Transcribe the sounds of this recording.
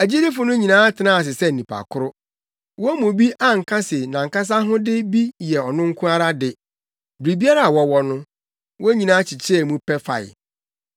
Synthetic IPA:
æ˨d͡ʑi˦dɪ˦fʊ˨nʊ̃˦ɲĩ˨nãː˦tʰɪ˨nãː˦˨s̬ɪ˨sɛ˦n̩˨nĩ˨pʰa̰˨kʰʊ˦ɾʊ˦ | wɔ˦mũ˨bi˦ʔa˦˨ŋ̩˨kʰa˦sɪ˨nã˨ŋ̩˨ka˦s̬a˦ɦʊ̃˦dɪ˦bi˦jɛ˨ɔ˨nʊ̃˦ŋ̩˦kʰʊ̃˦a˦ɾa˦dɪ˨ | bɾi˨bi˦a˦ɾa˦a˨wɔ˨wɔ˦nʊ̃˦ | wɔ˦ɲĩ˨nãː˨˦t͡ɕʰɪ˨t͡ɕʰɪ˦ɛ˨mũ˦pʰɛ˦fa̰˨ɪ̰˨

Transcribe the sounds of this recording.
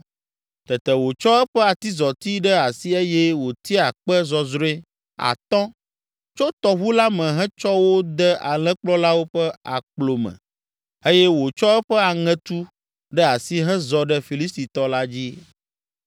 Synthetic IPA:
t̪ɛ˨t̪ɛ˨wo˨t͡ʃɔ˦ɛ˦ɸɛ˦a˨t̪i˦zɔ˨t̪i˦ɖɛ˦a˨si˦e˦jɛ˦wo˨t̪i˦a˨k͡pɛ˦zɔ˨zɾẽ˦ | a̰˨t̪ɔ̃˦ | t͡ʃo˦t̪ɔ˨ɦu˦la˦mɛ̃˨ɦɛ̃˦t͡ʃɔ˦wo˦d̪ɛ˦a̰˨lɛ̃˦k͡plɔ˦la˦wo˦ɸɛ˦a˨k͡plo˨mɛ̰̃˨ | e˦jɛ˦wo˨t͡ʃɔ˦ɛ˦ɸɛ˦a˨ŋɛ̃˨t̪u˦ | ɖɛ˦a˨si˦ɦɛ̃˦zɔ˨ɖɛ˦fi˨li˦s̬t̪i˨t̪ɔ˦la˦d͡ʑi˦

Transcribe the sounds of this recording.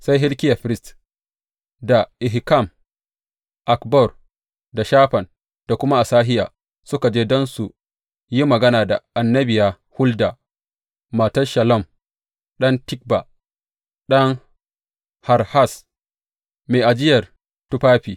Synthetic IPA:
sa˦jɦɪ˦lkʲɪ˦ja˨ɸɪ˦ɾɪ˦st | da˨ʔɪ˨ɦi˨ka˦˨m | ʔa˨kbɔ˦˨r | da˨ʃaː˦ɸɐ˨n | d̥a˨kʷʊ˦ma˦ʔa˨saː˦ɦɪ˦ja̰ː˨ | sʊ˦ka˨d͡ʒeː˦dɔ˦nsu˨ | ji˦mɐ˨ɡɐ˦naː˨da˨ʔa˨nːɐ˦bɪ˨ja˨ | hʊ˦ldaː˨ | aː˨tɐ˦ʃɐ˨lɔ˦˨m | ɗɐ˦ntɪ˦k̚ba˨ | ɗɐ˦ŋ | ha˨ɾha˦˨s | meː˨ʔa˨d͡ʒɪ˦jɐ˨r | tʊ˦ɸaː˦ɸiː˨

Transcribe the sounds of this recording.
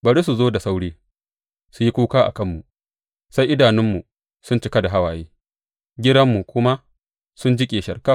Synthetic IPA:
bɐ˨ɽi˦s̬u˨zoː˦da˨sa˦wɽiː˦ | su˨ji˦kʷuː˦kaː˦ʔa̰˨kɐ˦mːu˨ | sa˦jʔɪ˦daː˨nɪ˦mːu˨ | sʊ˦nt͡ʃɪ˦kɐ˦da˨ɦa˦waː˨jeː˦ | ɡʲɪ˦dɐ˦mːu˨kʷʊ˦ma˦ | sʊ˦nd͡ʒɪ˦kʲʼeː˨ʃɐ˨rkaː˦

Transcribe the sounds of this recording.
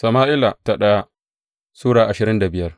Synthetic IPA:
sɐ˨maː˦ʔɪ˦la˨ta˨ɗɐ˦a˦ | suː˦ɽaː˨ʔa˨ʃɪ˨ɾɪ˦nda˨bɪ˨jɐ˦r

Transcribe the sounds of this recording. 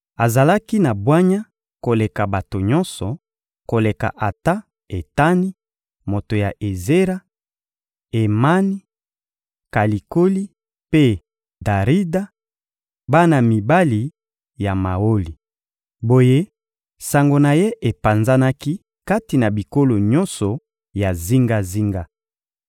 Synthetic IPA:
a˨za˨la˦ki˦na˨bwa˦ɲa˦ | ko˨le˨ka˨ba˨to˨ɲɔ˦nsɔ˨ | ko˨le˨ka̰˨ʔa˨ta˦ | e˨ta˦ni˦ | mo˨to˨ja˨ʔe˨ze˦ʁa˦ | e˨ma˦ni˦ | ka˨li˨ko˦li˦ | pe˦ | da˨ʁi˦da˦ | ba˦na˨mi˨ba˦li˨ | ja˨ma˨o˦li˨ | bo˨je˦ | sa˨ŋɡo˨na˨je˦ʔe˨pa˨nza˦na˦ki˦ | ka˦ti˨na˨bi˨ko˦lo˨ɲɔ̃˦nsɔ˨ | ja˨zi˦ŋɡa˦zi˦ŋɡa˦

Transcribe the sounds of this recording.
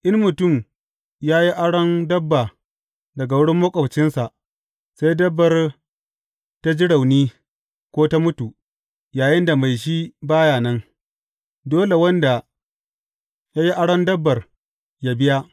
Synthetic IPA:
ʔɪ˦nmʊ˨tʊ˦˨m | jaː˦ji˦ʔa˦ɽɐ˦ndɐ˦bːa˨ | dɐ˨ɡa˨wʊ˦ɽɪ˦mːɐ˦kʷʼɐ˨t͡ʃɪ˦nsa˨ʔ | sa˦jdɐ˦bːɐ˨r | ta˦d͡ʒɪ˦ɽa˨wniː˦ | kʷoː˦ta˦mʊ˦tu˨ | jaː˨jɪ˦nda˨ma˨jʃ̬i˦baː˦jaː˨nɐ˦ŋ | doː˦le˨wɐ˦nda˨ | jaː˦ji˦ʔa˦ɽɐ˦ndɐ˦bːɐ˨r | ja˦bɪ˦ja˦

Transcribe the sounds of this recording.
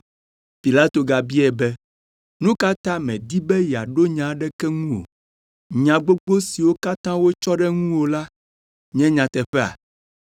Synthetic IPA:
pi˨la˦t̪o˨ɡa˨bi˦ɛ˨bɛ˦ | nũ˦ka˦t̪ã˦mɛ̃˨d̪i˦bɛ˦ja˨ɖo˦ɲã˨˦ɖɛ˦kɛ˦ŋũ˦wo̰˨ | ɲã˨ɡ͡bo˦ɡ͡bo˦si˨wo˦ka˦t̪ã˦wo˦t͡ʃɔ˦ɖɛ˦ŋũ˦wo˨la˦ | ɲɛ̃˦ɲã˨t̪ɛ˨ɸɛ˦a̰˨

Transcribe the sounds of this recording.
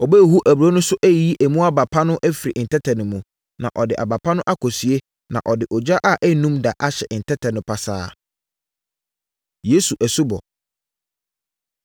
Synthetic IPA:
ɔ˨be˦˨ɦu˦ʔæ˨bɾo˦nʊ̃˦sʊ˦ʔæ˦˨i˦ʔæ˨mũ˦a˦ba˨pʰa˦nʊ̃˦ʔæ˦fi˨ɾi˨ʔn̩˨tʰɛ˦tʰɛ̃˨nʊ̃˨mũ˨ | nã̰˨ʔɔ˨dɪ˨ʔa̰˨ba˨pʰa˦nʊ̃˦ʔa˦kʰɔ˨si˨e˦ | nã̰˨ʔɔ˨dɪ˨ʔɔ˨d͡ʑa˦ʔa˦ʔæ˦nũ˦mda˨ʔa˦ɕɛ˨n̩˨tʰɛ˦tʰɛ̃˨nʊ̃˨pʰa˨sa̰ː˦ | je˦su˨ʔæ˨su˦bɔ̰˨

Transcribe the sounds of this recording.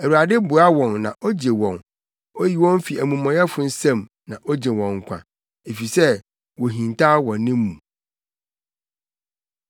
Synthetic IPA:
æ˨u˨a˨dɪ˦bʊ˨a˦wɔ̃˨nːã˨ʔɔ˦d͡ʑe˨wɔ̃˨n | o˦ji˨wɔ̃˦n˦fi˨æ˨mũ˨mɔ̃˨jɛ˦fʊ˨n̩˦sɛ̃˦m | nã˨ʔɔ˦d͡ʑe˨wɔ̃˨ŋ̩˨kʷʰã̰˨ | e˨fi˨sɛ˦ | wo˨ɦĩ˨n˨tʰa˦wɔ̃˨nːɪ̃˦mmũ˨

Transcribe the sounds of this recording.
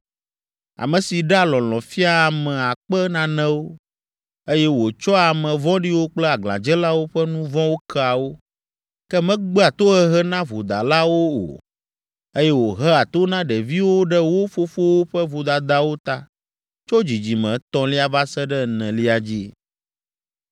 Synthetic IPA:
a̰˨mɛ̃˨si˨ɖɛ˦a˦lɔ̃˨lɔ̃˨fi˦a˦˨mɛ̃˨a˨k͡pɛ˦nã˦nɛ̃˦wo˦ | e˦jɛ˦wo˨t͡ʃɔ˦a˨mɛ̃˨vɔ̃˦ɖi˦wo˦k͡plɛ˦a˨ɡl̃ã̰˨d͡ʒɛ˦la˦wo˦ɸɛ˦nũ˦vɔ̃˦wo˦kʰɛ˦a˨wo˦ | kɛ˦mɛ̃˦ɡ͡bɛ˦a˨t̪o˦ɦɛ˦ɦɛ˦nã˦vo˨d̪a̰˨la˦wo˦o̰˨ | e˦jɛ˦wo˨ɦɛ˦a˨t̪o˦nã˦ɖɛ˨vi˦wo˦ɖɛ˦wo˦fo˦fo˦wo˦ɸɛ˦vo˨d̪a˨d̪a˦wo˦t̪a˦ | t͡ʃo˦d͡ʑi˨d͡ʑi˨mɛ̃˨t̪ɔ̃˦li˦a˨va˦sɛ˦ɖɛ˦nɛ̃˨li˦a˨d͡ʑi˦

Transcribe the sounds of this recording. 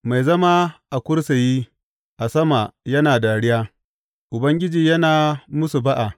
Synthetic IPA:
ma˨jzɐ˦ma˦ʔa˨kʷʊ˦ɽsa˨jiː˦ | ʔa˨sɐ˦ma˨jɐ˦naː˨da˨ɽɪ˦jaː˦ | ʔʊ˨bɐ˦ŋɡʲɪ˦d͡ʒiː˨jɐ˦naː˨mʊ˦su˨ba˦ʔa˨

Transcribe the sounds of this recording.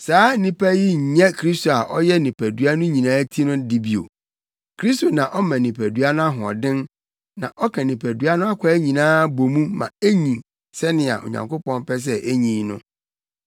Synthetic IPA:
saː˨˦nĩ˦pʰæ˦ji˦ɲ̩˨ɲɛ̃˦kʰɾi˦sto˨a˨ʔɔ˦jɛ˦nɪ̃˨pʰæ˨du˨a˦nʊ̃˦ɲĩ˨nãː˦tʰi˦nʊ̃˦dɪ˦bi˨o̰˨ | kʰɾi˦sto˨nã˨ʔɔ˦mã˨nɪ̃˨pʰæ˨dɥa˦nʊ̃˦a˦ɦʊ̃˨ɔ̰˨dɪ̃˦n | nã˨ʔɔ˦kʰɛ̃˨nɪ̃˨pʰæ˨du˨˦a˦nʊ̃˦a˦kʰʷa˨˦ɲĩ˨nãː˦bo˨mũ˦mã̰˨e˦ɲĩ˨ | sɛ˦nɪ̃˨a̰˨ʔo̰˨ɲã̰˨ŋkʷo˦pɔ̃˦npɛ˦s̬ɛ˦ʔe˦ɲĩː˨˦nʊ̃˦

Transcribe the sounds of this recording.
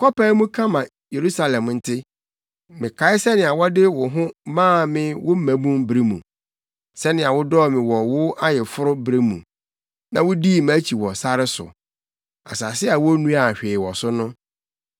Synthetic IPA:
kɔ˦pa˦mũ˦kʰã˦mã˨ | je˨ɾu˦sa˨lɛ̃˨mn̩˨tʰɪ˦ | mɪ̃˨kʰa˨˦ɪ˦sɛ˦nɪ̃˨a˨wɔ˦dɪ˦wʊ˨ɦʊ̃˦mãː˦˨mɪ̃˦wʊ˦m̩˦mæ̃˨bũ˦mbɾi˦mṵ̃˨ | sɛ˦nɪ̃˨a˨wʊ˦dɔː˦˨mɪ̃˨wɔ˨wʊ˦a˦jɛ˨fʊ˦ɾʊ˦bɾe˦mṵ̃˨ | nã˨wʊ˦di˦˨m˦æ˦t͡ɕʰi˨wɔ˨sa˦ɾɪ˦sʊ̰˨ | a̰˨saː˨sɪ˦a˨wɔ˦nũ˦a˨ɕᶣeː˨wɔ˨sʊ˦nʊ̃˦

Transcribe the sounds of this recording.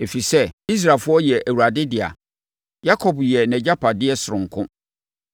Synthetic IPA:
e˨fi˨sɛ˦i˦s̬ɾaː˨lfʊ˦ɔ˦jɛ˨ʔæ˨wu˨ɾa˨dɪ˦dɪ˨a̰˨ | ja˦kʰɔ˨bjɛ˨nɛ̃˨d͡ʑa˦pʰa˨dɪ˦ɛ˦sʊ˨ɾʊ̃˨ŋ̩˨kʰʊ̃˦

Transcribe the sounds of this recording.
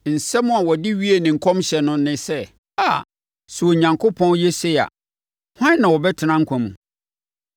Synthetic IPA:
n̩˨sɛ˦mʊ̃˦a˨wɔ˨dɪ˦ɥi˦e˨nɪ̃˨ŋ̩˨kʰɔ̃˦mɕɛ˨nʊ̃˦nːɪ̃˦sɛ˦˨ | a˨ | su˨o˨ɲã˨ŋkʰo˦pʰɔ̃˦njɛ˦sɛ˦a̰˨ | hã˦n˦nã˨wɔ˨bɛ˦tʰɪ˨nã˦ŋ̩˦kʰʷã˨mṵ̃˨

